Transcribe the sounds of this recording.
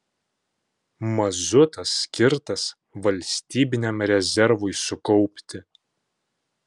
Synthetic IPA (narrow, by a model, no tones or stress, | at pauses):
mɐzʊt̪ɐsːʲkʲɪɾt̪ɐs | ʋɐlʲsʲt̪ʲiːbʲɪnʲɛmɾʲɛzʲɛɾʋʊɪsʊkɔʊpʲt̪ʲɪ